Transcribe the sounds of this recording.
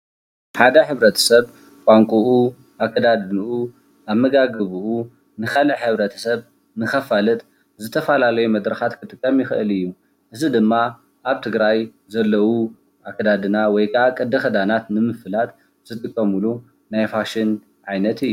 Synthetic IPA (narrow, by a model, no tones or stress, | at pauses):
ħad̪ɐħɨβɾɐt̪ʰɐ̥sɐβ | kʷʼaŋkʷʼuʔu | ʔakʰːɐd̪ad̪ɨnuʔu | ʔaβmɐɡaɡɨβuʔu | nɨxɐlɨʕħɨβɾɐt̪ʰɐ̥sɐβ | nɨxɐfalɨt̪ʼ | zɨt̪ʰɐfɐlalɐjumɐd̪ɾɐxat̪kʰɨt̪ʼɨkʼːɐmjɪxɨʔɨlɨjːu | ʔɨzid̪ɨmːa | ʔaβt̪ʰɨɡɾaj | zɐlːɐwu | ʔakʰɐd̪ad̪ɨnawɔjkʰakʼɨd̪ːɐxɐd̪anat̪nɨmɨfɨlat̪ | z̥ɨt̪ʼɨkʼːɐmulu | najfaʃɪn | ʕajnɐt̪ʰɨjːu